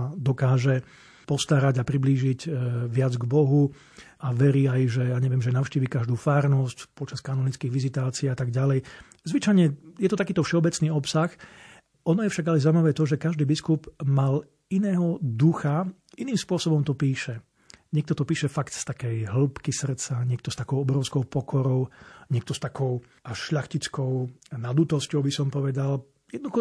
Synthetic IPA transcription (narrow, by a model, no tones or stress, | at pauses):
d̪ɔkaːʒɛ | pɔst̪aɾaɟapɾibliːʒiɟʋɪad͡zɡbɔɦu | aʋɛɾiːajʒɛjaːɲɛʋɪɛmʒɛnaʊʃciːʋikaʒd̪uːfaːɾnɔscpɔt͡ʃaskanɔnit͡skiːɣʋizit̪aːt͡siːat̪aɡɟalɛj | zʋit͡ʃajɲɛjɛt̪ɔt̪akiːt̪ɔfʃɛɔbɛt͡sniːɔpsax | ʔɔnɔjɛfʃaɡalɛzaimaʋɛːt̪ɔʒɛkaʒd̪iːbiskubmal | inɛːɦɔd̪uxa | iniːmspʊɔsɔbɔmt̪ɔpiːʃɛ | ɲɛk̚t̪ɔt̪ɔpiːʃɛfakt̪st̪akɛjɦl̩pkisr̩t̪t͡saɲɪɛk̚t̪ɔst̪akɔʊɔbɾɔʊskɔʊpɔkʰɔɾɔʊɲɪɛk̚t̪ɔst̪akʰɔʊ | ʔaʃʎaxcit͡skɔʊnad̪lut̪ɔscɔʊbisɔmpɔʋɛd̪al | jɛd̪nɔd̪uxɔ